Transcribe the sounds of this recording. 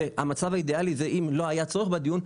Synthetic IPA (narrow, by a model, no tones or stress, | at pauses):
eha̰mat͡savaid̪ealizeʔimlo̞ajat͡so̞eχbed̪ijun